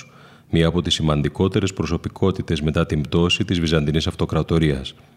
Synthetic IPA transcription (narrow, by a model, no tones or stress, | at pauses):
mɲiɐːpo̞t̪isimɐnd̪iko̞t̪e̞ɾe̞spɾo̞so̞pikʰo̞t̪it̪e̞zme̞t̪ɐt̪imbt̪o̞sit̪izvizɐnd̪inisɐft̪o̞kɾɐt̪o̞ɾiɐs